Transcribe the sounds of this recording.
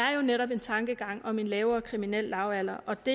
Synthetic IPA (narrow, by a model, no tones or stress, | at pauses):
æɐjo̝neɾɒ̽b̥e̝nt͡sʰɑ̈ŋɡ̥əɡ̥ɑ̈ŋ̰ɒ̽me̝nlɛːʊɐːkʰʁiminel̰ːɑ̈ʊæl̰ɐʔɒ̽d̥e̝